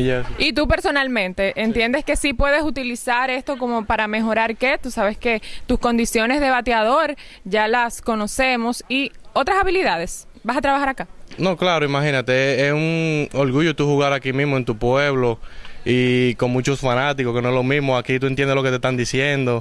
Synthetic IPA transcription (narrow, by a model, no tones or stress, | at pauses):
it̪upe̞ɾso̞nalmẽ̞nt̪e̞ʔent̪je̞nd̪eske̞sipwe̞ðe̞sut̪ilisaɾe̞st̪o̞ko̞mo̞paɾame̞xo̞ɾaɾke̞t̪usaβe̞ske̞t̪usko̞nd̪isjo̞ne̞zðe̞βat̪jaðo̞ɾ | ʝalasko̞no̞se̞mosio̞t̪ɾasaβiliðað̞e̞s | basat̪ɾaβahaɾakano̞klaɾoimaɦinat̪e̞esuŋoɾɣuʝot̪uhuɣaɾakimismoe̞nt̪upweβloikoŋmũt͡ʃosfanat̪ikokenoeslomĩsmoakit̪uent̪jend̪elo̞ket̪est̪and̪isje̞nd̪o̞